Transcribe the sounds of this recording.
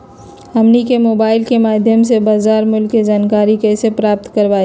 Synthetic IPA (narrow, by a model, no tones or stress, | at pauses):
ɐmnikemoːbaːɪlkemaːd̪ʱjəms̬ebaːzaːɾmʊlkːed͡ʒaːnkaːɾikɛːsepɾaːp̚t̪kɐɾʋaːe